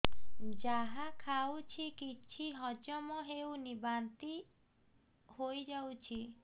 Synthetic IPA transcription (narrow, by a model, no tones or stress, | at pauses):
d͡ʒaɦakʰawt͡ʃʰikit͡ʃʰiɦɔd͡ʒɔmɔɦewnibant̪i | hojd͡ʒawt͡ʃʰi